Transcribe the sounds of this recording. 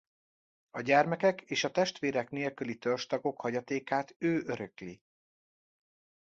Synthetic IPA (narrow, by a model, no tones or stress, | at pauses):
ɒɟɛrmɛkɛkʰeːʃɒt̪ɛʃt̪ʋeːɾɛkneːlkylit̪ørʃt̪ɒɡo̞khɒɟɒt̪eːkaːt̪øːʔøɾøkli